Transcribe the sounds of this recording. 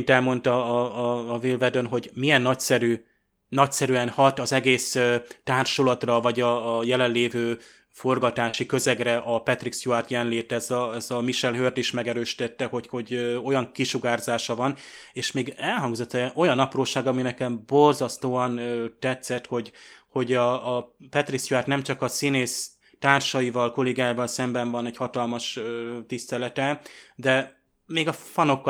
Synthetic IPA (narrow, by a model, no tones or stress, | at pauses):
nt̪ɛlmo̞nt̪ɒː | vilvɛd̪ønɦo̞ɟmijɛnːɒcsɛɾy | nɒcsɛɾyɛnhɒt̪ɒzɛɡeːsøt̪aːrʃolɒt̪rɒvɒɟɒːjɛlɛnleːvøː | fo̞rɡɒt̪aːʃikø̞zɛɡrɛʔɒpɛt̪riksjuart̪jɛnleːt̪ɛzɒɛzɒmiʃɛlɦørd̪iʃmɛɡɛɾøːʃi̥t̪ɛt̪ːɛhoho̞ɟo̞jɒŋkiʃuɡaːrzaːʃɒvɒneːʃmeːɡɛlɦɒŋɡzo̞t̪ːɛo̞jɒnɒproːʃaːɡɒminɛkɛmbo̞rzɒst̪oːɒnt̪ɛt̪sɛt̪ho̞ɟho̞ɟɒːpɛt̪riksjuaːrt̪nɛmt͡ʃɒkɒsineːs | t̪aːrʃɒjivɒlko̞leːɡaːjavɒlsɛmbɛɱvɒnɛɟhɒt̪ɒlmɒʃt̪ist̪ɛlɛt̪ɛd̪ɛ | meːɡɒfɒno̞kː